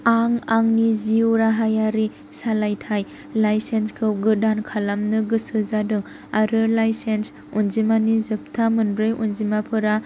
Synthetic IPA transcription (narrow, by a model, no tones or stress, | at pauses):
aŋaŋniziuɾaɦajaɾi | salajtʰaj | lajsenskʰɯwɡɯdankʰalamnɯɡɯsɯzadɯŋ | aɾɯlajsens | unzimanizɯp̚tʰamɯnɾɯjʔunzimapʰɯɾa